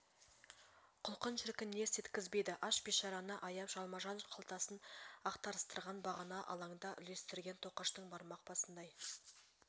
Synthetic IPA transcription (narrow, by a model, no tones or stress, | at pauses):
qʰʊlˠqənʃɪɾkʲɪnːe̞se̞t̪kʲɪzbe̞jd̪ɪʔɑʃbʲiʃɑɾɑnəʔɑjɑpʒɑlˠmɑʒɑnqʰəlˠt̪ɑsənɑqt̪ɑɾəst̪əɾʁɑnbɑʁɑnɑʔɑ̰lˠɑɴd̪ɑʔʏle̞st̪ɪɾɡʲe̞nt̪ʰo̞qɑʃt̪əɴbɑɾmɑq̚pɑsənd̪ɑj